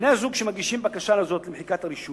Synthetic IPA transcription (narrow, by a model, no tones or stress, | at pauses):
nɛzukʃimaɡiʃimbakaʃanazot̪limħikat̪aɾiʃu